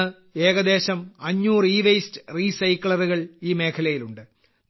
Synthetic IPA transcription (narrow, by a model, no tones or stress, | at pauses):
ɨ | eːɣɐd̪e̞ːɕɐmɐɲːuːriːʋɐjstɨ̥riːsɐjkːɭɐruɣɐɭiːme̞ːkʰɐlɐjiluɳɖɨ